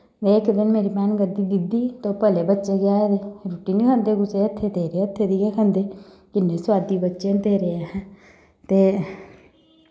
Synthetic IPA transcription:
d̪eːkʰd̪ɪnmeːɾiːmanɡəd̪iːd̪ɪd̪iːt̪oːpəleːbətːʃeːɡɪaːed̪eɾuːʈiːnĩːkʰənd̪eːɡʊseːət̪ʰːeːt̪eːɾeːət̪ʰːeːd̪ikeːkʰə̃nd̪eː | kɪnːeːsʊwaːd̪iːbətːʃẽːt̪eːɾeːeːɦɛ̃ | t̪eː

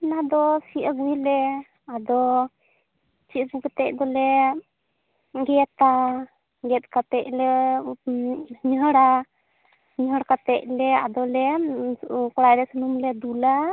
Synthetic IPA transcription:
nad̪ɔsiʔəɡwilɛ | ad̪ɔ | t͡ʃibuɡɛt̪ɛc̚d̪ɔlɛ | ɡɛt̪a | ɡɛt̪̚kat̪ɛc̚lɛ | ɲɦəɽa | ɲɦəɽakat̪ɛc̚lɛa̰d̪ɔlɛ | kɔɽajd̪ɛsənumlɛd̪ula

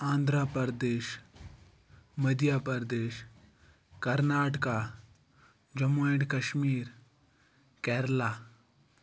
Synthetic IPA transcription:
ãːnd̪ʱɾaːpəɾəd̪eːʃ | mɐd̪ʱjaːpəɾd̪eːʃ | kɐɾnaːʈka | d͡ʒɐmueɖkɐʃmiːɾ | kɛːɾlaː

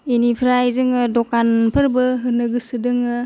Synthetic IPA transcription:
enipʰɾajzɯŋɯdɔkanpʰɯɾbɯɦɯnɯɡɯsɯdɯŋɯ

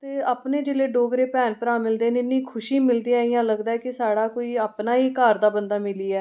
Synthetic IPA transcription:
t̪eːapneːd͡ʒeleːɖoːɡɾeːpɛːnpəɾãːmɪld̪eːneɪnːĩːkʰʊʃiːmɪld̪iːaːijãːləɡd̪aːɛːkɪsaːɽaːkoːiːaːpnaːiːkaːɾd̪aːbənd̪aːmɪliːɛː

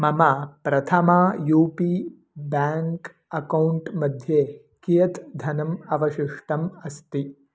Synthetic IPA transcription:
mɐmapɾɐt̪ʰɐmaːjuːpi | baːŋk | ɐkɐwɳʈmɐd̪ʱjeː | kijɐt̪d̪ʱɐnɐmɐʋɐʃiʂʈɐmɐst̪i

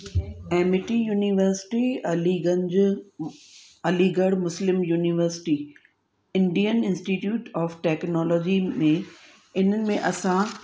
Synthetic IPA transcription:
ɛːmɪʈijuːniʋəɾsɪ̥ʈiiɡəd͡ʑ | ɐliɡəɽmʊslɪmjuːniʋəɾsɪ̥ʈi | ɪ̃ɳɖijənɪ̃nsʈiʈjuːʈɔːfʈɛːknɔːlɔːd͡ʑimẽ | ɪn̤ənɪ̆mẽʔɐsã

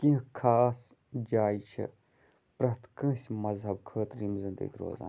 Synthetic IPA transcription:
kĩkʰaːs | d͡ʒaːit͡ʃʰḭ | pɾɐt̪kə̃ːsʲmɐzɦɐb̚kʰəːt̪ɾimzɨnd̪ə̰it̪ʰɾo̰ːza̰ː

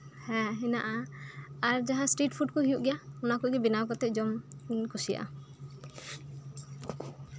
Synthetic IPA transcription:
hɛ̃ɦɛnaʔaaɾd͡ʒaɦãsʈɾiʈ̚pʰuʈ̚kɔɦijuʔɡɛjaɔnakuɡɛbinakɔt̪ɛʔ̚d͡ʒɔmkusija̰ʔa̰

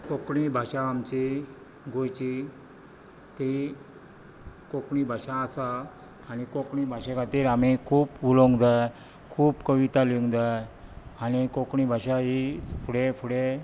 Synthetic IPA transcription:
kokɳibʱaɕãːmt͡ɕi | ɡʱojt͡ɕi | t̪i | kokɳibʱaɕãːsaː | nikokɳibʱaɕẽkat̪iːɾamikʰuːpulõŋɡd̪a | kʰuːpkəʋit̪aliŋɡd̪ajanikokɳibʱaɕaɦisfuɽefuɽe

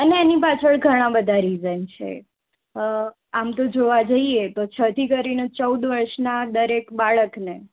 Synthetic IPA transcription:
əneːnipat͡ʃʰəɭɡʱəɽ̃ãbəd̪ʱaɾizənt͡ʃʰḛ | amt̪od͡ʒoʋad͡ʒəiet̪ot͡ʃʰət̪ikəɾinet͡ʃəud̪ʋəɾʃnad̪əɾekbaɭəkne

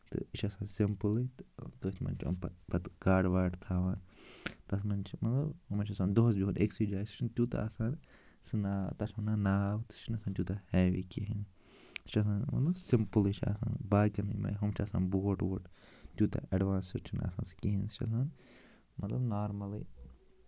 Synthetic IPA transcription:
t̪ɨ̰it͡ʃʰasãːnsimpɨlɨt̪ɨd̪oːst̪mɐ̰nʲt͡ʃʰɐ̰npɐt̪ɡaːɖʋaːʈt̪ʰaːʋaːnt̪ɐsmɐnt͡ʃʰimɐt̪lɐbɐmɐt͡ʃʰɐsaːnd̪oːs̬biuneksid͡ʒaːjst͡ʃʰint̪ʲuːt̪a̰ːsaːn | sɨnaːt̪ɐt͡ʃʰmɐnanaːʋt̪ɨ̥st͡ʃʰinɐsaːnt͡ʃ̪ʲuːt̪ahɛːʋḭkiɦin | st͡ʃʰɐs̬ãːnmɐ̰t̪lɐbsimpɨlit͡ʃʰia̰sa̰ːnbaːkʲɐnɨma̰ːjɦɐmt͡ʃʰasã̰ːnboːʈʋoːʈt̪uːt̪a̰ʔɐɖʋaːnsiɾt͡ʃʰina̰sa̰ːnskiɦinst͡ʃʰɐ̰s̬aːn | mɐt̪lɐbnaːɾmɐlḭ

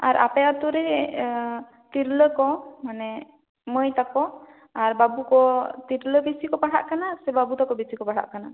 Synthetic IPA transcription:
aɾʔa̰pɛat̪uɾɛ | t̪iɾləkɔmanɛ | məjt̪akɔ | aɾbabukɔt̪iɾləbisikɔpaɽʰa̰ʔkanasɛbabut̪akɔbisikɔpaɽʰa̰ʔkana

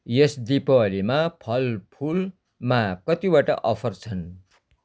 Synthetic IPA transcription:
jesd̪ipʌlimapʰʌlpʰul | makʌt̪iwaʈʌ̰ʔʌpʰʌrt͡sʰʌn

